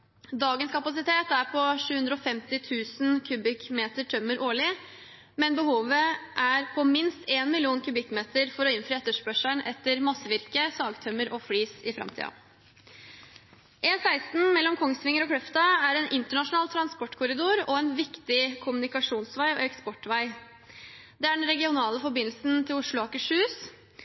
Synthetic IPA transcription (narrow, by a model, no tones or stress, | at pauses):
d̪ɑːɡənskʰɑpɑsɪt̪ʰeːt̪æɾpʰɔʂʉːhʉnd̪ɾəɔfɛmt̪ɪt̪ʰʉːsn̩kʰʉbɪkmeːt̪əʈʰœmːəɾʔoːɭɪ | mɛnbəhuːʋəʔæɾpʰɔmɪnst̪ʰeːnmɪlɪuːnkʰʉbɪkmeːt̪əɾfɔɾɔɪnfɾyːɛt̪ːəʂpœʂəɳʔɛ̰t̪ːəɾmɑsəʋɪɾkəsɑːɡt̪ʰœmːəɾɔflyːsɪfɾɑ̰mt̪ʰḭːɑ̰ | ʔeːnsæɪst̪n̩mɛlːɔmkʰɔŋːst̪ʋɪŋːəɾɔkʰɽœft̪ɑæɾɛːnʔɪnt̪əɳɑʂʊnɑːlt̪ʰɾɑnspɔʈːkʰʊɾɪd̪uːɾɔɛnʋɪkt̪ɪkʰʊmʉnɪkɑʂuːnsʋæɪɔ̰ɛkspɔʈːʋæɪ | d̪ɛæɖɛnɾɛɡɪʊnɑːləfɔbɪnːl̩sn̩t̪ʰɪlʊʂɭʊɑkəʂʉːs